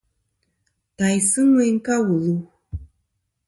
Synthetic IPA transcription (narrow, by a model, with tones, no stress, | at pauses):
ta˨jsɨ˦ŋe˦ŋ̩˦ka˦wu˨lu˦˨